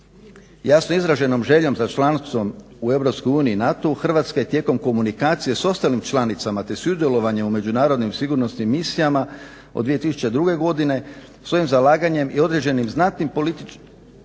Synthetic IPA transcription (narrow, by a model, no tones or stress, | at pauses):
jasnoizɾaʒe̞no̞mʒe̞ʎo̞mzat͡ʃlˠant̪ʋo̞m | ue̞ʋɾo̞pskojuːniiːnat̪oxr̩ʋat̪skaje̞t̪je̞ːko̞mko̞munikaːt̪sije̞so̞st̪alimt͡ʃlˠanit̪samat̪e̞suud̪jelˠo̞ʋaɲe̞mume̞d͡ʒunaːɾo̞d̪nimsiɡuɾno̞snimːisijama | o̰d̪ʋije̞t̪isu̥t͡ʃe̞d̪ɾuɡe̞ɡo̞d̪ine̞ | sʋo̞imzalˠaːɡaɲe̞mio̞d̪ɾe̞d͡ʑe̞nimznat̪nimpoit̪i